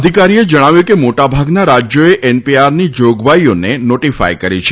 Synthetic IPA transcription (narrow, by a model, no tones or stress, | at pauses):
d̪ʱikaɾied͡ʒəɽ̃aʋjukemoʈabʱaɡnaɾad͡ʒjoeʔɛnpiaɾnid͡ʒoɡʋajonenoʈifa̰jkəɾit͡ʃʰe